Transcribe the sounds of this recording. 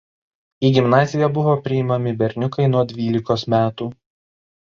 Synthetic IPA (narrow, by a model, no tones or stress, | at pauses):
iːɡʲɪmnɑːzʲɪjɛbʊʋoːpʲɾʲɪɪmɐmʲɪbʲɛɾʲnʲʊkɐɪnuɔd̪ʲʋʲiːlʲɪkoːsmʲæːt̪uː